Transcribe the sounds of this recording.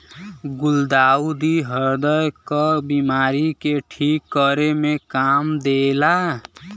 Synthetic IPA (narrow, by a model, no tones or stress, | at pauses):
ɡuld̪aud̪iɦəɾd̪əjkəbimaɾikeʈʰikːəɾemekamd̪ela